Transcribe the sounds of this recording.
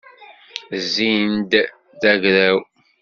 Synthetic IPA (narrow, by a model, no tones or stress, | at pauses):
zːind̪ | ðæʝɾæw